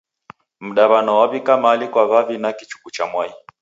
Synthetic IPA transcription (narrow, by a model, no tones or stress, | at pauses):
m̩ɗaβanɔwaβikamaːlikwaβavinakit͡ʃu̥kut͡ʃamwai